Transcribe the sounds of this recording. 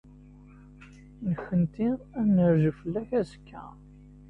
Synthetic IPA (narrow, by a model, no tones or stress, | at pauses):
nəxənt̪i | ænəɾʒəfəlːæħæsə̥kʰːæ̰